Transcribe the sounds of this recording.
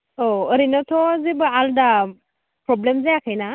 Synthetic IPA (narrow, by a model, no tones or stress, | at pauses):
oəɾinɔtʰɔzibɯalda | pɾɔblemzajakʰajna